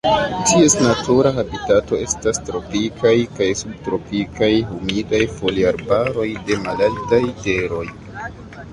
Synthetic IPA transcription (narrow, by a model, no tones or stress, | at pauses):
tʰie̞snatuɾaɦabitato̞e̞stastɾo̞pikʰajkajsub̚tɾo̞pikajɦumidajfo̞liaɾbaɾo̞jde̞malaltajte̞ɾo̞j